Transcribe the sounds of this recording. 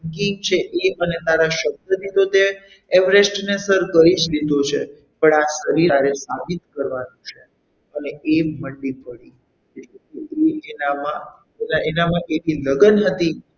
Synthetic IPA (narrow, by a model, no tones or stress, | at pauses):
kiŋt͡ʃʰeʔeənet̪aɾaʃək̚d̪əd̪it̪ot̪e | eʋɾesʈnesəɾkəid͡ʒlid̪ot͡ʃʰḛ | pəɳasəɾiɾaɾesabit̪kəɾʋanũt͡ʃʰe | əneeməɳɖipəɽi | eʈekeeenamã | naʔenamãʔeniləɡənɦət̪i